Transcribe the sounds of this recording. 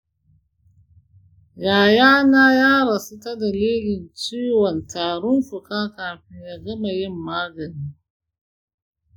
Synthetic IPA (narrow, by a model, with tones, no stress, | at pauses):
jaː˨jaː˦naː˦jaː˦ɾɐ˨su˦ta˦da˨leː˦ɡʲɪ˨nt͡ʃeː˦wɔ˨ntaː˨ɽʊ˦nɸʊ˨kaː˦kaː˨ɸɪ˦ɲja˦ɡɐ˦ma˨jɪ˦˨mːaː˦ɡɐ˨niː˦